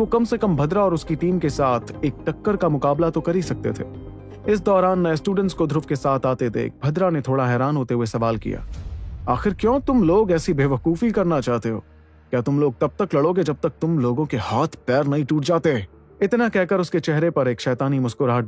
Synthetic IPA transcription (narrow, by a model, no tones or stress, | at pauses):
okɐmsekɐmbʱɐd̪ɾaɔːɾʊskiʈiːmkesaːt̪ʰeːk̚ʈɐkːəɾkamʊkaːblat̪okɐɾisɐk̚t̪ḛt̪ʰḛː | ɪs̬d̪ɔːɾaːnːɐjesʈuːɖə̃ɳʈskod̪ʱɾʊfkesaːt̪ʰaːt̪ed̪ḛːk̚ʰbʱɐd̪ɾanet̪ʰoːɽaɦɛːɾaːnɦoːt̪eɦuesɐʋaːlkḭja̰ːaːxɪɾkjõːt̪ʊmloːɡɛːsibeːʋɐkuːfikɐɾnat͡ʃaːɦt̪eɦo̰ː | kjaːt̪ʊmloːɡ̚t̪ɐb̚t̪ɐklɐɽoɡed͡ʒɐb̚t̪ɐk̚t̪ʊmloːɡõkehaːt̪ʰpɛːɾnɐɦĩʈuːʈd͡ʒaːt̪eɛː | ɪt̪nakɛɦkɐɾʊsket͡ʃɛɦɾepɐɾeːkʃɛːt̪aːnimʊskʊɾɦaː